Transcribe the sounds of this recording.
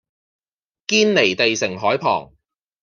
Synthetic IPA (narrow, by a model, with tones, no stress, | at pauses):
kiː˥nle˨˩jt̪e˨jsɪ˨˩ŋɦɔː˨˥jpʰɔ̰ː˨˩ŋ